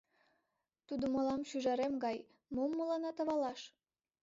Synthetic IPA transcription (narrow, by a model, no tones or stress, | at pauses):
t̪ud̪ŏmolɑmʃyʒɑɾemɡɑj | momːolɑnɑt̪ə̆βɑlɑʃ